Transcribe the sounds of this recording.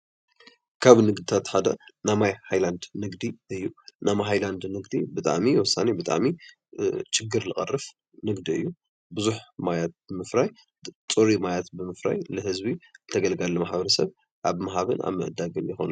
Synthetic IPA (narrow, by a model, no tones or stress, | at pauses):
kʰaβnɨɡd̪it̪ʰat̪ħad̪ɐ̰namajhajland̪nɨɡd̪iɨjːunamaɦajland̪nɨɡd̪ibɨt̪ʼa̰ʕmiwɔsːanibɨt̪ʼa̰ʕmi | t͡ʃɪɡɨɾlɨχʼɐ̰rːɨf | nɨɡd̪iɨ̰jːu | bɨzuħmajat̪̚bɨmɨfɾaj | t̪ʼoɾimajat̪bɨmɨfɾa̰jlɨhɨzbizɨt̪ʰɐɡɐlɡalːɐmaħbɐɾɐsɐβ | ʔaβmaɦaβɨnʔa̰βmɨ̰ʔɨd̪aɡɨnjɪxo̰nu